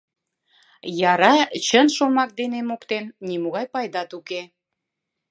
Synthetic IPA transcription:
jɑɾɑt͡ɕənʃomɑk̚d̪enemokt̪ennimoɣɑjpɑjd̪ɑt̪uke

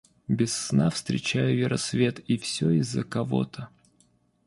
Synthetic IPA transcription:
bʲɪsːnafst̪ɾʲɪt͡ɕæjʊvʲɪɾʔɐsvʲe̞t̪ifsʲoɪzːəkɐvo̞̰t̪ʰə

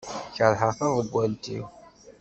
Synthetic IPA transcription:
çəɾˤħəɾθɑðˤəɡʷːænt̪ḭw

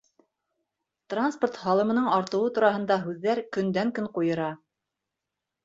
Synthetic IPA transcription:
t̪ransport̪hɑlˠɤ̆mɤ̆nɤɴɑɾt̪ɤ̆wɤt̪uɾɑɦɤ̆nd̪ɑɦʉðːæɾkɵ̆nd̪æŋkɵɴqujɤ̆ɾɑ

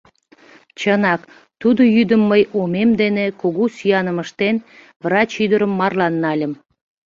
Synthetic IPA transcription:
t͡ɕənɑk | t̪ud̪ojyd̪əmːəjomemd̪enekoɣosyjɑnəməʃt̪en | vrɑt͡ɕyd̪əɾəmːɑrlɑnːɑlʲəm

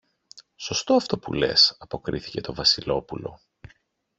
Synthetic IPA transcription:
so̞st̪o̞ɐft̪o̞pṵle̞̰sɐpo̞kɾḭθice̞t̪o̞vɐsilo̞pulo̞

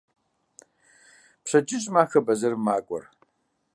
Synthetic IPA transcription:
pɕɐt͡ʃʼɪɕʼmaːxɐbɐzɐrmaːkʷʼɔ̰r

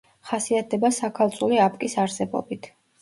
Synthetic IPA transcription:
χasiat̪̚ʰd̪ɛbasakʰalˠt̪sʼuliapʼkʼisaɾsɛbɔ̰bit̪ʰ

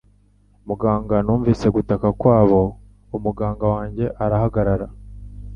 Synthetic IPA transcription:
muɡaːŋɡanuːɱviːse̞ɡutakakwaːβo̞ | umuɡaːŋɡawaːɲɟe̞ʔaɾahaɡaɾaɾa

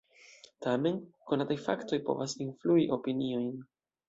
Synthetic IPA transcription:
tame̞nko̞natajfakto̞jpo̞̰vasinfluiʔo̞pinio̞jn

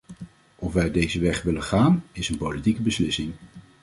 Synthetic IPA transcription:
ʔɔfʋɛjdejzəʋɛχʋɪlənχaːnɪsənpolitikəbəslɪsɪŋ

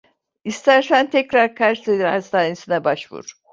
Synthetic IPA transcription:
ist̪ʰæɾsænt̪ʰɛcɾaɾkʰaɾʃt̪ed̪iɾa̰st̪aːninsinɛbaʃvṵɾ̥

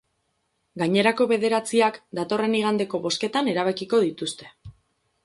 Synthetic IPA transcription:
ɡaɲe̞ɾako̞βe̞ð̞e̞ɾat͡siakd̪at̪o̞re̞niɣ̞and̪e̞ko̞βo̞ske̞t̪ane̞ɾaβ̞akiko̞ð̞it̪ust̪e̞̥

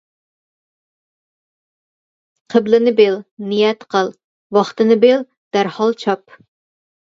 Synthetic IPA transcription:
qʰəblɪnɪbelnijɛt̪qʰəlˠ | wɑχt̪ɨnɪbel | d̪̥æɾhɑlˠt͡ʃʰɑp

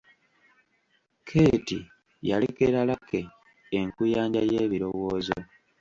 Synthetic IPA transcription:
kʰe̞ːti | jalekeɾalakeː | ŋkujaːɲɟajeːβiɾo̞woːzo

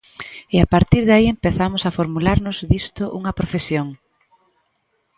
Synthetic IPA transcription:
ɪapaɾt̪iɾðaiempeθamʊsafoɾmulaɾnʊzðist̪oʔuŋɐpɾofesjoŋ

